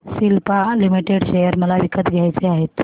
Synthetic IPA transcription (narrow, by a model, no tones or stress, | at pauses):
silpalimiʈeɽɕejəɾməlaʋikət̪ɡʱjajt͡seaɦet̪